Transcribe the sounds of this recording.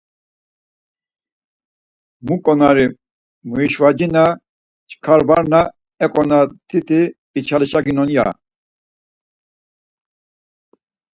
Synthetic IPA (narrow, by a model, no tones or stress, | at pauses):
mukʼɔnaɾi | muiʃvad͡ʒina | t͡ʃʰʼkʰaɾbaɾna | ɛkʼɔnat̪ʰit̪ʰʼiː | t͡ʃʰaliʃaɡinɔnja̰